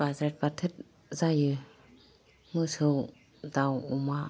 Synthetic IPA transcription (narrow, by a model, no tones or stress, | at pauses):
bazɾɛt̚patʰɯt̚ | zajɯ | mɯsɯw | dawuma